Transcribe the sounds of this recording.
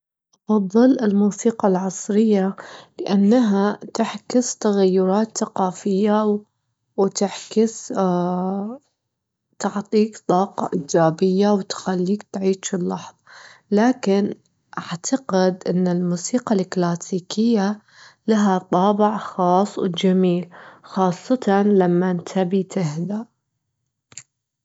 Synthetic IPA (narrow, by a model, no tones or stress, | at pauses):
ʔɑfɑðˤːɨlɪlmuːsiːqɑlʕɑsˤɾɪjːalɪʔanːaɦat̪aħkɪst̪aɣajːʊɾˤɑːt̪θaqɑːfɪjːa | wt̪aħkɪs | t̪aʕt̪ˤiːkt̪ˤɑːqɑ̰ʔɪːd͡ʒaːbɪjːawt̪xalːiːkt̪ʕiːʃɪlːɑħðˤɑlaːkɪn | ʔaʕt̪ʰaqɪd̪ʔɪnːɪlmuːsiːqalɪklaːsiːkʰɪjːa | laɦat̪ˤɑːbɪʕxɑːsˤːwd͡ʒamiːlxɑːsˤːɑt̪ɑnlamːant̪ʰabit̪ɪhd̪a